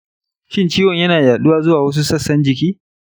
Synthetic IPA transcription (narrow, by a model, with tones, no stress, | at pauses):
ʃɪ˦nt͡ʃiː˦wɔ˨ɲjɐ˦naː˨jaː˨ɗʊ˦waː˦zʊ˦waː˨wɐ˦s̬u˦sɐ˦˨sːɐ˦nd͡ʒɪ˨kʲiː˦